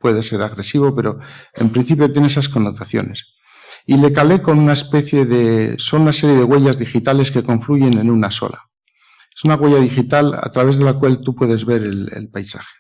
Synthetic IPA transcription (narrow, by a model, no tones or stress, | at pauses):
pwe̞ðe̞se̞ɾaɣɾe̞siβ̞o̞pe̞ɾo̞e̞̰mpɾin̟θipjo̞t̪je̞neesasko̞nːo̞t̪aθjo̞̰ne̞s | ile̞kale̞ko̞nunaespe̞θje̞ðe̞so̞nunase̞ɾjeð̞e̞ɣwe̞ʝazðixit̪ale̞ske̞ko̞ɱfluʝe̞nẽ̞nunaso̞̰la̰ | esunaɣwe̞ʝaðixit̪ala̰t̪ɾaβe̞zð̞e̞lakwalt̪upwe̞ðe̞zβe̞ɾelḛlpajsa̰xe̥